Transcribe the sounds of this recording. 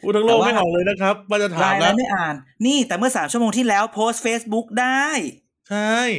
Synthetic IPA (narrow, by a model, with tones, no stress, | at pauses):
uː˥˩a˥˩˧loː˧˥˩kma˥˩jɦa˨˩˦wlɤː˧jna˦˥kʰɾa˦˥p̚waː˥˩t͡ɕa˨˩t̪ʰaː˩˦˧jlɛ˧˦˥ma˥˩jʔaː˨˩nːiː˥˩t̪ɛː˨˩mɯ˥˩ɐsaː˩˦t͡ɕʰu˥˩əoː˧ŋt̪ʰiː˥˩lɛː˦˥wpʰoː˦˥st̪̚feː˦˥sbu˦˥k̚daː˥˩j | t͡ɕʰa˥˩j